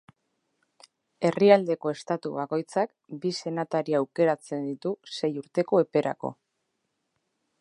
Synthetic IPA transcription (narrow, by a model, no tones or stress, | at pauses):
e̞riald̪e̞ko̞e̞st̪at̪uβako̞jt͡sak | bise̞nat̪aɾiaːwke̞ɾat͡se̞nd̪it̪use̞juɾt̪e̞ko̞e̞pe̞ɾa̰ko̰